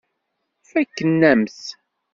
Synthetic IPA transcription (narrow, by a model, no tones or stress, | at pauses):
fækːənːæmθ